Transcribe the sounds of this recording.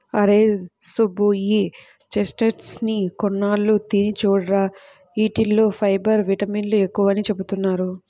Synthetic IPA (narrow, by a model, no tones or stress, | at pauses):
ɐɾeːsubui | t͡ʃesʈeʈsnikɔɳːaːlːut̪iːnit͡ʃuːɽɾaː | iːʈilːoːpʰɐjbɐɾʋiʈɐmiːnluekːuʋɐnit͡ʃe̞but̪unːaːɾu